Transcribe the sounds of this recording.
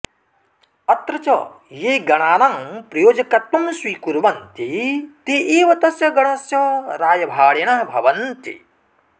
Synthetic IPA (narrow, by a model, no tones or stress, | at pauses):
ɐt̪ɾɐt͡ʃɐ | jeːɡɐɳ̃aːnaŋpɾɐjoːd͡ʒɐkɐt̪mɐmswiːkuɾʋɐnt̪it̪iʔeːʋɐt̪ɐsjɐɡɐɳɐsjɐɾaːjɐbʱaːɽeɳɐɦbʱɐʋɐnt̪ḭ